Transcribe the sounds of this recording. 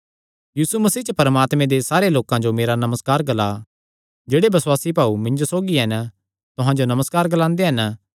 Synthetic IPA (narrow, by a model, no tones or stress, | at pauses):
jiːsumɐsiːt͡ʃəpɐɾəmaːt̪mẽd̪esaːɾeloːkãd͡ʒomeːɾanɐməskaːɾɡɐla | d͡ʒeːɽebɐswaːsibaːumɪ̃ɲd͡ʒosoːɡiɦɐn | t̪ʊɦãd͡ʒonɐməskaːɾɡɐlãːnd̪eɦɐn